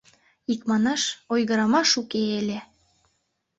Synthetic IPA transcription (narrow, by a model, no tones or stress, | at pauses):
ikmɑnɑʃojɣəɾɑmɑʃukeelʲe